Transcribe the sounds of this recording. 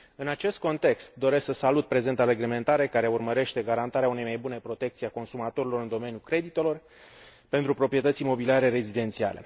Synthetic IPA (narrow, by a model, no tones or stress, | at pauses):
ɨnat͡ʃe̞st̪̚ko̞nt̪e̞kst̪̚d̪o̞ɾesksəsalut̪̚pɾe̞ze̞nt̪aɾe̞ɡle̞me̞nt̪aɾe̞kaɾe̞urməɾe̞ʃt̪e̞ɡaɾant̪aɾeaune̞jmajbune̞pɾo̞t̪e̞k̚t̪siako̞nsumat̪o̞ɾilo̞ɾɨnd̪o̞me̞njukɾe̞d̪it̪e̞lo̞r | pe̞nt̪ɾupɾo̞pɾije̞t̪ət̪simo̞biliaɾe̞ɾe̞zid̪e̞nt̪sia̰le̞̰